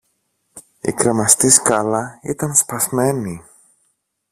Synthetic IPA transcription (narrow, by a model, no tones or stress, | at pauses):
ḭkɾemɐst̪iskɐlɐit̪ɐnspɐzme̞ni